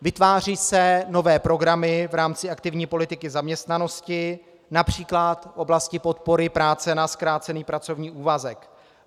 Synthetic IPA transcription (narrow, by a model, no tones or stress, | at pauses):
vɪt̪vaːriːsɛno̞vɛːpɾo̞ɡɾamɪvɾaːmt͡sɪakt̪ɪvɲiːpo̞lɪt̪ɪkɪzamɲɛst̪nano̞scɪ | napr̝̥iːklat̪fʔo̞blascɪpo̞t̪po̞ɾɪpɾaːt͡sɛnaskɾaːt͡sɛniːpɾat͡so̞vɲiːʔuːvazɛk